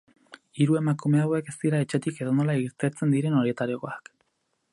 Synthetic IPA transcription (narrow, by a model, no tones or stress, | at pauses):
iɾue̞makume̞aoe̞ke̞st̪iɾae̞t͡ʃe̞t̪ike̞ðono̞laiɾt̪eɾt͡se̞nd̪iɾe̞no̞ɾje̞t̪aɾioɣoak